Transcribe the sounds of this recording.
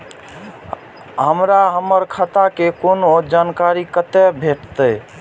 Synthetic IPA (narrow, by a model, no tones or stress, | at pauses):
ɦəmɾaɦəmːəɾkʰət̪akekonod͡ʒankaɾikət̪ɛbʱeʈt̪əj